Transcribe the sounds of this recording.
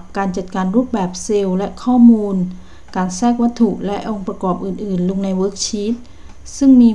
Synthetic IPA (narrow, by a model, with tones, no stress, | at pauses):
p̚kaː˨˧nt͡ɕa˨˩t̪̚kaː˨˩nɾuː˦˥t̪̚bɛː˨˩p̚se˧wlɛ˧˥ʔkʰɔː˥˩muː˧n | kaː˨˩nsɛː˥˩k̚wa˦˥t̪ʰːu˧˩ʔlɛ˦˥ʔo˧ŋpɾa˧kɔː˨˩p̚ʔɯː˨˩nʔɯː˨˩nlu˧ŋna˧jwɤː˦˥k̚t͡ɕʰiː˦˥t̪̚ | sɯ˥˩ŋmiː˧